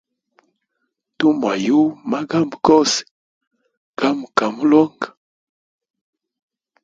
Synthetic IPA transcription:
tu˦m˨a˨ju˦ma˦ɡa˦mbko˦s | ɡ̥a˦m˨ka˨mu˦lo˦ŋɡ

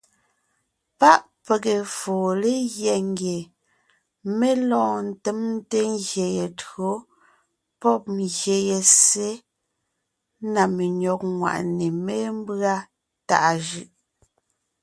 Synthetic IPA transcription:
pa˦ʔ | pe˨ke˨foː˨le˦ɣjɛ˨ŋ˦ɡje˨ | me˦lɔ̃ː˦˨n̩˨te˦mn˦te˦ŋɣje˨je˨tɰo˨˦ | pɔ˦˨p̚mɣje˨je˨se˦ | na˨me˨ɲɔ˨k̚ŋwa̰˨ʔne˨me˦m˦bɰa˦ | ta̰˨ʔa˨ʒɯ˦˨ʔ

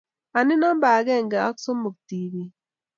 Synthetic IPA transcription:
a˨nɪ˦nɔ˦m˦ba˨ɡɛ˦˨ŋɡa˨a˦kso˦mo˨k̚ti˨bi˨

